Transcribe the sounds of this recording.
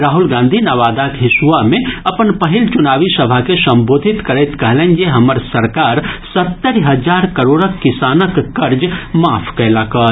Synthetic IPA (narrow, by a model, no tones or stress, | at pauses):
ɾaːɦulɡãːnd̪ʱinaʋaːd̪akɦɪsʋamẽɐpənpəɦɪlt͡ʃʊnaːʋisəbʱakesɐ̃mboːd̪ʱɪt̪kəɾɛt̪kəɦlɛ̃nd͡ʒeɦɐməɾsəɾkaːɾsɐt̪ːəɾɦəd͡ʒaːɾkəɾoːɽəkːɪsaːnəkːɐɾd͡ʒmaːpʰkəɪlakə